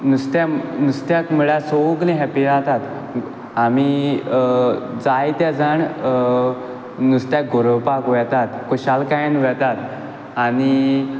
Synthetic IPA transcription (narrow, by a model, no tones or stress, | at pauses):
nust̪janust̪jakməɭasoklĩɦɛpid͡zat̪at̪ | ami | d͡zajt̪jad͡zəɳ | nust̪jak̚ɡoɾəʋpakʋɛt̪at̪kuɕalkajnʋɛt̪at̪ | aɽ̃i